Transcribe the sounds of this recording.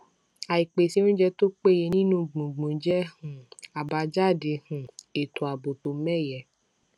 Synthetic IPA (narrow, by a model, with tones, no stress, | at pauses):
a˨i˨k͡pe˨si˧˦nũ˦d͡ʒɛ˧to˦k͡pe˦˨je˧nĩ˦nũ˦ɡ͡bũ˨ɡ͡bũ˨˦d͡ʒɛ˦hũ˨a˨ba˧d͡ʒa˦˨de˧˦hũ˨e˨to˨a˨bo˨to˨˦mɛ˦˨jɛ˨